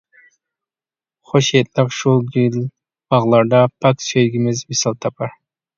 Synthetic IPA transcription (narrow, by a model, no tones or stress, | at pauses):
χoʃet̪ʼlɪqʃulˠɡilʲ | b̥ɑʁlˠɑɾd̪ɑpʰaksøjɡʲɪmɪzmisɑlˠt̪ʰɑpʰɑɾ